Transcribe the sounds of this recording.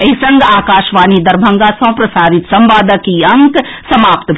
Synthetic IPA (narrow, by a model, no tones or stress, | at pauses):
ɐɦisɐ̃ŋɡaːkaːʃʋaːnid̪ɐɾbʱɐ̃ŋɡaːsɐ̃ːpɾɐsaːɾɪt̪sɐ̃mbaːd̪əkiɐŋksɐmaːpt̪b